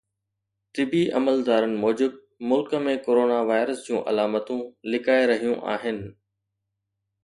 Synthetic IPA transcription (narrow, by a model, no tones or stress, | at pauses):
t̪ɪbiʔɐməld̪aːɾənɪ̆moːd͡ʑɪb̚ | mʊlkəmẽkoːɾoːnaʋaːɪɾəsd͡ʑũːʔɐ̰laːmət̪ũlɪkaːeɾɐɦijũʔa̰ːɦɪnɪ̆